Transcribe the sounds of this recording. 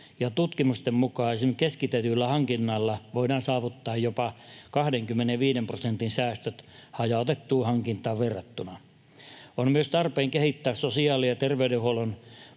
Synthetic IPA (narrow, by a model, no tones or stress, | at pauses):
jɑt̪ut̪kimust̪emmukɑisemkeskit̪et̪ylːæhɑŋkinːɑlːɑʋoidɑːnsɑːʋut̪ːɑːjjopɑkɑhdeŋkymːeneʋiːdemprosent̪insæːst̪øt̪hɑjɑt̪et̪ːuːhɑŋkint̪ˑɑːʋʋerːɑt̪ːunɑ | onmyøst̪ɑrpeːŋkehit̪ːæːssosiɑːlijɑt̪erʋeydehuolon